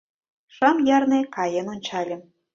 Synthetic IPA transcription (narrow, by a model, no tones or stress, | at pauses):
ʃɑmjɑrnekɑjənonʲt͡ɕɑlʲĕm